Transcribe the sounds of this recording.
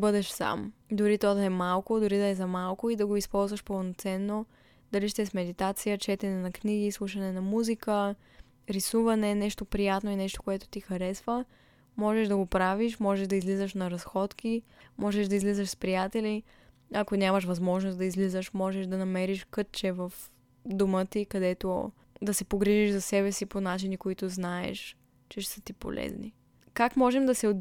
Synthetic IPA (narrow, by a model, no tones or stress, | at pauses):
bɤd̪ɛʃsa̰md̪ʊɾit̪ɔd̪ɐɛmalˠkod̪ʊɾid̪ɐɛzɐmalˠkoid̪ɐɡoispɔlˠzvəʃpɐlˠnot̪sɛnːo | d̪ɐliʃt̪ɛsmɛd̪it̪at̪sijət͡ʃɛt̪ɛnɛnɐkniɡ̟iːslˠuʃɐnɛnɐmuzikə | ɾisuvɐnɛnɛʃt̪opɾijat̪noinɛʃt̪o̥koɛt̪o̥t̪ixɐɾɛsvə | mɔʒɛʒd̪ɐɡopɾaviʃmɔʒɛʃd̪ɐizlizəʃnɐɾɐsxɔt̪kimɔʒɛʃd̪ɐizlizəʃspɾijat̪ɛli | ɐkonʲjamɐʃvɐzmɔʒnosd̪ɐizlizəʃmɔʒɛʃd̪ɐnɐmɛɾiʃkɤt̚t͡ʃɛvɐf | d̪omət̪ikɐd̪ɛt̪o̰ | d̪ɐsɛpoɡɾiʒiʒzɐsɛbɛsiponat͡ʃinikoit̪oznaɛ̰ʃ | t͡ʃɛʃsət̪ipo̰lɛ̰znḭ | kakmɔʒɛmd̪ɐsɛod̪